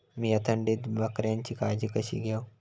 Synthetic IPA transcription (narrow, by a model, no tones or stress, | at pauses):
miɐt̪ʰɐɳɖid̪bɐkɾent͡ʃikaːd͡ʒikɐʃḭɡja